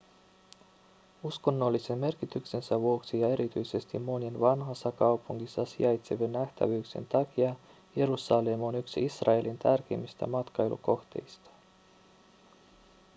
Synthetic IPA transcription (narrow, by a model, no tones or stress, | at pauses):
usko̞nːo̞lːise̞mme̞rk̟it̪ykse̞nsæʋuo̞ksijɑe̞ɾʔit̪yjse̞st̪immo̞ninʋɑnɦɑsːɑkɑwpuŋkisːɑsḭɑjt̪seʋenːæht̪æ̰ʋyːkse̞̰nt̪ɑk̟iɑ | je̞ɾusɑlemonyksisrɑe̞lʔint̪ærk̟e̞̰mist̪æ̰mɑt̪kɑjlʔṵko̞xt̪e̞̰jst̪ɑ̥